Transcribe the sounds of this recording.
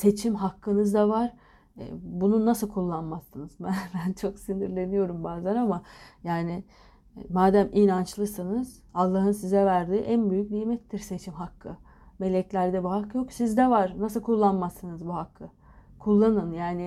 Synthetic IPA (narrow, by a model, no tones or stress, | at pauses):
se̞t͡ʃʰimɦakːɯnɯzd̪avaɾ̥̰ | bununːasɯlˠkʰulˠːanmasːɯnɯzbænbænt͡ʃʰo̞ksind̪iɾlʲe̞nijo̞ɾumbaːzlˠaɾamajaːnɪ | maːd̪æminant͡ʃlˠɯsɯnɯz̥ | alˠːaɦɯnsizɛvæɾd̪iːʔænbyjyc̚nijmɛt̪ʰːiɾse̞t͡ʃʰimɦakʰːɯ | me̞lʲɛclʲæɾd̪ɛbuɦakːjo̞ksizd̪ɛvaɾnasɯlˠkʰulˠːanmasɯnɯzbuɦakʰːɯ | kʰulˠːanɯnjaːnɪ